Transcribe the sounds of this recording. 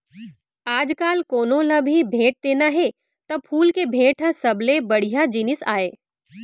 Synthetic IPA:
aːd͡ʒkaːlkoːnõlɐbʱibʱeːʈ̚d̪eːnaɦɛ | t̪ɐpʰuːlkebʱeːʈʰɦə̃sɐblebɐɽ̤ijad͡ʒinɪsaːeː

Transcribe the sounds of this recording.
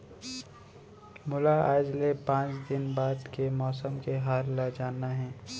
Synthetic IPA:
mʊlaaːd͡ʒlepãːt͡ʃd̪ɪnbaːd̪kemɔːsəmkeɦaːlːad͡ʒaːnaɦɛ̃ː

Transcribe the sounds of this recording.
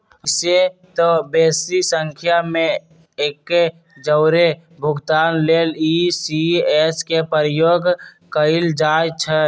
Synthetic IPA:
set̪ɔbesisəŋkʰjame | ekːe | d͡ʒəʊɾe | bʱʊɡt̪anlelisieskepəɾjoɡ | kəɪld͡ʒajt͡ʃʰə

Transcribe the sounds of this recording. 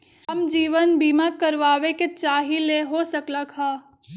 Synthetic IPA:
ɐmd͡ʒiːʋənbiːmakəɾʋaːʋeket͡ʃaːɦileɦosəkləkhaː

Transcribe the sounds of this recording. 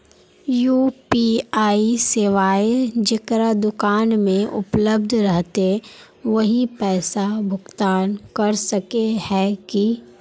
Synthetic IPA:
juːpiaːiseːʋaːed͡ʒɪkɾad̪ʊkaːnmẽʔʊpləb̚d̪ʱɾɐɦt̪e | ʋɐɦipɛːsabʱʊɡt̪aːnkɐɾsɐkehɛki

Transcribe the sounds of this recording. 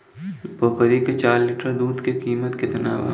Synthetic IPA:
boːkəɾiket͡ʃaːɾliːʈəɾd̪uːd̪kekiːmət̪ked̪ɐna̰ːʋa̰

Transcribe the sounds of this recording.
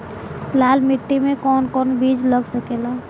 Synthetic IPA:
laːlmɪʈːimẽkɔːnkɔːnbiːd͡ʒləɡsəkeːlaː

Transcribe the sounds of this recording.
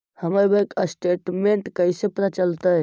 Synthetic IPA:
həməɾbəkəsʈeʈmeɳʈkəisepɾət͡ʃəlt̪ə

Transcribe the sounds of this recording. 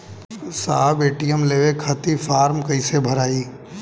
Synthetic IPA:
saːɦbeːʈijəmleːʋekʰət̪ifʰaːɾmkəɪsebʱəɾaːi

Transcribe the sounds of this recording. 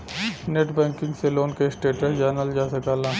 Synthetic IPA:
neːʈbɛ̃ːkɪ̃ŋɡseloːnkeːsʈeːʈəd͡ʒaːnəld͡ʒaːsɐkaːlãː

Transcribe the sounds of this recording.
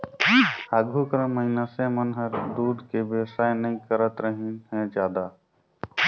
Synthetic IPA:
aɡʱukɾə̃mːəinasẽmənɦəɾd̪uːd̪kebeʋsaːjnəĩkəɾət̪ɾəɦinɦɛ̃d͡ʒjaːd̪a

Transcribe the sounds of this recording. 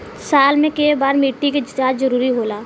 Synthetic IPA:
saːlmẽkeːbaːɾmiːʈːiked͡ʒəd͡ʒaːd͡ʒzɐɾuːɾiɦoːlaː

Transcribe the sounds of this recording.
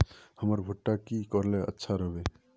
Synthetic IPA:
həməɾbʱuʈːakikɔɾleə̰tːʃʰaɾəɦbe

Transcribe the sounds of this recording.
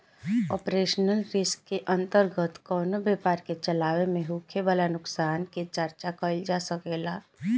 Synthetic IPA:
ɔ̰ːpɾeːʃnəlɾɪskːeʔə̃nt̪əɾɡət̪kɔːnobeːpaːɾket͡ʃəlaːʋemẽɦukʰeʋaːlanʊksaːnket͡ʃəɾt͡ʃakəld͡ʒaːsəkeːlaː

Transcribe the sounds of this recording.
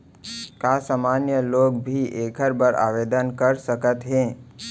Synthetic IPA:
kaːsaːmaːnjəloːɡbʱiʔeːkʰəɾbəɾa̰ːʋeːd̪ənkəɾsəkət̪ɦɛ̃ː

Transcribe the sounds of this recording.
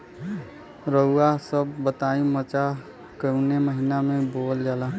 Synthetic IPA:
ɾəuasəbːət̪aĩmət͡ʃa | kəuneməɦinamebold͡ʒala

